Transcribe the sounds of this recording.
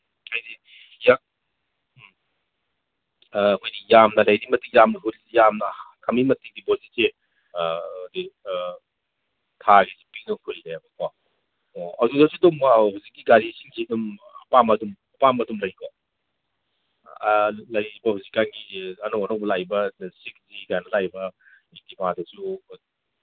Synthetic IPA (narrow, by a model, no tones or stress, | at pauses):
ajdi | ja | kʰojdijamnɐlɐjɾimɐtikjamnɐɦuɾisijamnɐkʰamimɐtidibɔsise | jdi | tʰaɡesi̥pizɔŋkʰɯjɾeɐbɐkʰɔ | ɔawdudasudumhuzik̚ːiɡaɾisiŋkʰidumɐpamɐdumɐpamɐdumlɐjkʰɔ | lɐjbɐhuzikːanɡiɐnɔwanɔwbɐlajbɐdsik̚zikajanɐlajbɐ | itimadɐsu